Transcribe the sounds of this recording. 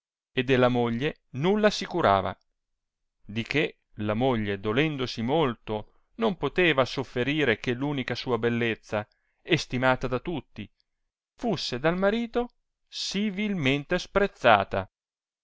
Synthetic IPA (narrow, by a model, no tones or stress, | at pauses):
ed̪elːamoʎːe | nulːasikuɾa̰ːva̰ | d̪ike | lamoʎːed̪olɛnd̪osimolt̪o | nompot̪eːvasofːeɾiːɾekelːuːnikasuːabelːet̪sːa | est̪imaːt̪ad̪at̪ut̪ːi | fusːed̪almaɾiːt̪o | sivilment̪espɾet̪sːa̰ːt̪a̰